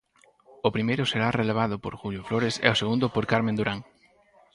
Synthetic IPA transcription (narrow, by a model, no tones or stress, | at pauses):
ʊpɾimejɾʊseɾareleβ̞aðʊpo̰ɾxuʎjʊfloɾesɛ̰oseɣund̪ʊpoɾkaɾmẽnd̪uɾaŋ